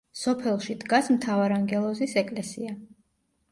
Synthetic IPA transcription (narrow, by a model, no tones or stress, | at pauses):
sɔpʰɛlˠʃid̪ɡasmt̪ʰavaɾaŋɡɛlˠɔzisɛkʼlɛsḭa